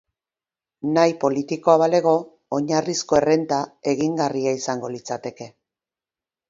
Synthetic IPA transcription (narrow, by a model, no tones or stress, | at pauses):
najpo̞lit̪iko̞aβale̞ɣ̞o̞ː | ɲarisko̞e̞re̞nt̪ae̞ɣiŋɡariaisaŋɡo̞lit͡sat̪e̞ke̞